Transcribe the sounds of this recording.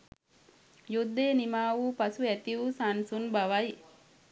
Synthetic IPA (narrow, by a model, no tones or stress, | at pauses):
jud̪ːeːnimaːʋuːpasuæt̪iʋusansunbaʋaj